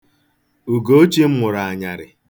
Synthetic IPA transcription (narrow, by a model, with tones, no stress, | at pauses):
u˨ɡo˦t͡ʃe˦m̩˦mʊ˨ɾa˨a˨ɲa˨ɾɪ̰˨